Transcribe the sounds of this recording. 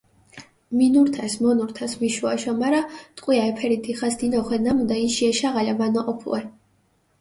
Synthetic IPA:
minuɾt̪ʰasmɔnuɾt̪ʰasmiʃuaʃɔmaɾat̪ʼqʼwiaɛpʰɛɾid̪ʰiχasd̪inɔχwɛnamud̪aiʃiɛʃaʁalamanɔʔɔpʰlˠɛ

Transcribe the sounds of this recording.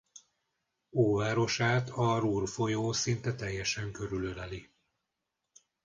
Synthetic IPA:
oːvaːɾo̞ʃaːt̪ʰɒruːrfo̞joːsint̪ɛt̪ɛjːɛʃɛŋkø̞ɾylølɛli

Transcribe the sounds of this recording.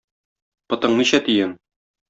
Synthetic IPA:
pɤ̆t̪ɤ̆ɴniɕæt̪ijɘn

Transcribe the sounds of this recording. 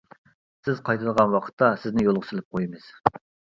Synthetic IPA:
sɪzqʰɑjt̪ʰɨləʁɑnwɑqʰə̥t̪ʰːɑsɪznɪjolˠʁʊsɪlɪp̚qʰojimɨz̥

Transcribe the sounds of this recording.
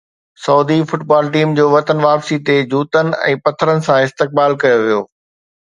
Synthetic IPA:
sɐːd̪ifʊʈbaːlʈiːmd͡ʑoːʋɐt̪ənʋaːpsit̪ed͡ʑuːt̪ənɪ̆ɛ̰̃ːpɐt̪ʰːəɾənɪ̆sãɪst̪ɪk̚baːlkɐjoʋijo̰ː

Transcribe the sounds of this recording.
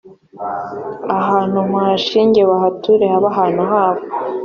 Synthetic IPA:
aɦaːn̥umaːʃiːɲɟe̞βaɦatʰuɾehaβaɦaːn̥uɦaːβo

